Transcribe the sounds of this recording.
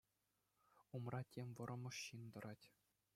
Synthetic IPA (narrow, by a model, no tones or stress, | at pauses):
umrɑtʲʰemʲvɤ̆ɾɤ̆mɤ̆ʂɕind̪ɤ̆ɾɑtʲ